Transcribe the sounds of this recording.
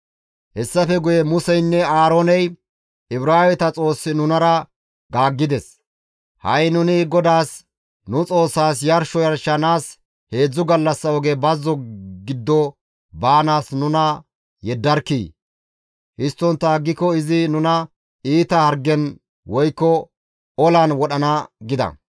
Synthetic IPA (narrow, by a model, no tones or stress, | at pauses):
hɛsːɐfɛɡʊjɛmʊsɛjnːɛaːɾoːnɛj | ɪbɾaːwɛt̪ɐt͡sʼo̞ːsːɪnʊnɐɾɐ | ɡaːɡːɪd̪ɛs | hɐ̰jnʊnɪɡɔd̪aːs | nʊt͡sʼo̞ːsːaːsjɐɾʃɔjɐɾʃːɐnaːs | he̞ːd͡zːʊɡɐlːɐsːɐɔɡebɐzːɔɡɪd̪ːɔ | baːnaːsnʊnɐ | jɛd̪ːɐɾkːḭː | hɪst̪ːɔnt̪ːɐɡːɪkːɔɪzɪnʊnɐ | iːt̪ɐhɐɾɡɛn | wʔɔjkːɔ | ɔlɐnwɔɗɐnaɡɪd̪ɐ̰